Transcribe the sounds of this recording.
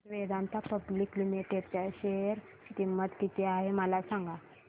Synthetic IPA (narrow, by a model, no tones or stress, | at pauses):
ʋed̪ant̪ʰapəbliːklimiʈeʈt͡ɕaɕeɾ | t̪imːət̪kit̪iaɦeməlasaŋɡa